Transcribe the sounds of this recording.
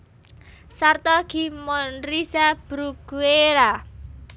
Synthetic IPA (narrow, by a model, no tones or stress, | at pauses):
sart̪ɔɡ̥imɔnɾisab̥ɾuɡ̥ueɾa